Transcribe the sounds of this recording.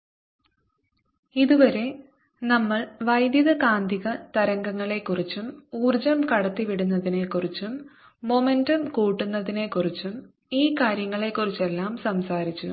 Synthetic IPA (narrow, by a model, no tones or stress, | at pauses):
iðuʋɐɾe̞ | nɐmːɐɭʋɐjd̪jɐðɐkaːnd̪ʱiɣɐt̪ɐɾɐŋɡɐŋːɐɭe̞kːurit͡ɕːumuːrd͡ʑɐmkɐɽɐt̪ːiʋiɽunːɐðine̞kːurit͡ɕːumː | o̞me̞ndɐmkuːʈːunːɐðine̞kːurit͡ɕːum | iːkaːɾjɐŋːɐɭe̞kːurit͡ɕːe̞lːaːmsɐmsaːɾit͡ɕːṵ